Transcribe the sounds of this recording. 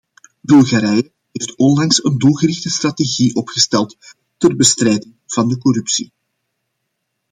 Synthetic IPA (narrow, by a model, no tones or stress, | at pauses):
bɵlˠɣaɾɛjə | ɦejftɔndɑŋsəndulˠɣərɪxtəstrɑteɣiʔɔpxəstɛlˠt | tərbəstrɛjdɪŋv̥ɑndəkɔɾʉpsi